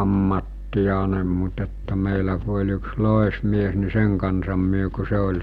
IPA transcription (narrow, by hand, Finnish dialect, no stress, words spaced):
ɑmːɑtːijɑnem mut etːæ meˑilæ ku olʲ yks loˑesmies ni seŋ kɑnsɑm myø ku se olʲ